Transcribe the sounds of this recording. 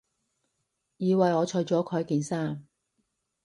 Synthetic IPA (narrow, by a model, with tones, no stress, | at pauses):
jiː˨˧wɐ˨jɔː˨˧t͡ʃʰɵ˨˧jt͡ʃɔː˨˥kʰɔː˨˥jkiː˨˩nsaː˥m